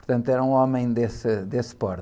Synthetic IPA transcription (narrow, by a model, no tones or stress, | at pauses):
ʊɾt̪ɐ̃nt̪ɛɾɐũɔmɐ̃j̃d̪esɨd̪espɔɾ